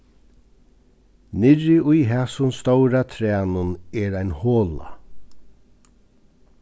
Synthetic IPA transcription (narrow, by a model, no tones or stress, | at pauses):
nɪɾɪʔʊjɦɛsʊnst̪owɾat̪ʰɾæːnʊnɛɾajnhoːla̰